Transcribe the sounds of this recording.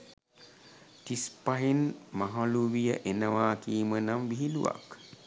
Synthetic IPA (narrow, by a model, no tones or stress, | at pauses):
t̪ispaɦinmaɦaluwijəʔenəʋaːkiːmənamʋiɦilṵwa̰k